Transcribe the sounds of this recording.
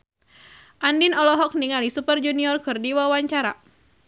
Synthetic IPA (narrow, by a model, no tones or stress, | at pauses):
ʔandinɔlɔɦɔk̚niŋalisupərd͡ʒuniɔrkɨrdiwawaɲt͡ʃaɾa̰